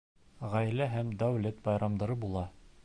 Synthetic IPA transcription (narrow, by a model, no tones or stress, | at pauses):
ʁæjlæɦæmd̪æwlet̪̚bɑjɾɑmd̪ɤ̆ɾɤbulˠɑ